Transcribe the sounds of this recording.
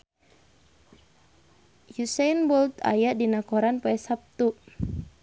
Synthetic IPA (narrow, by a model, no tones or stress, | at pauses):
jusanbɔlt̪a̰jadinakɔɾanpaɛsap̚t̪u